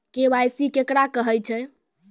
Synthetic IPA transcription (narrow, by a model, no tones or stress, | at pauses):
kebajsikekɾakəɦəjt͡ʃʰɛ